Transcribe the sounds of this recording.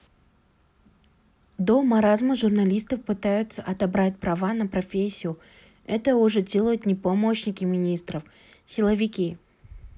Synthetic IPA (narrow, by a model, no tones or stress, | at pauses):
d̪omɐɾazməʐʊrnɐlʲist̪əfpɨt̪ajʊt̪səʔɐt̪ɐbɾat̚ʲpɾɐvanəpɾɐfʲesʲːɪjʊ | ɛt̪əʊʐɛdʲe̞lˠəjʊt̪nʲɪpɐmoɕnʲɪkʲɪmʲɪnʲist̪ɾəf | sʲɪlˠəvʲɪkʲi